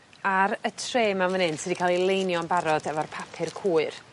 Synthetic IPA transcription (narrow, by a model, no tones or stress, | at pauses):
aɾətʰreːmamənɨntsədikʰalˠilˠejnjɔnbaɾɔdɛvɔrpʰapʰɪrkʰuːɨr